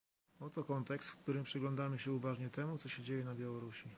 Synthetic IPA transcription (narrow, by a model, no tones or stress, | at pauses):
ɔt̪ɔkɔnt̪ɛkst̪fkt̪uɾɘmpʂɘɡlɔ̃nd̪amɘɕɛuvaʐɲɛt̪ɛmut̪sɔɕɛd͡ʑejɛnabʲjawɔɾuɕi